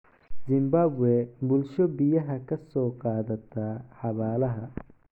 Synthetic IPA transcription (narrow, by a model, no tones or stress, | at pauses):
zɪmbaːbwɛːbʊlʃɔbɪjɐɦɐkʰɐsɔːqɑːðɐt̪ʰɐːħɑβaːlɐɦɐ